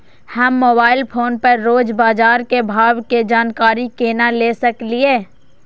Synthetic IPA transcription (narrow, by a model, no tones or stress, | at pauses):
hɐmːoːbaːɪlpʰoːnpəɾːoːd͡ʒbaːd͡ʒaːɾkebʱaːwked͡ʒaːnkaːɾikeːnalesɐklieː